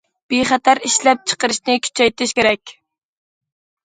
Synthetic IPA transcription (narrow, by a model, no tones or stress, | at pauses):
b̥eχæt̪ʰæɾiʃlɛp̚t͡ʃʰə̥qəɾɨʃnɪkʲʰy̥t͡ʃʰɛjt̪ɪʃkʲeɾɛkʲ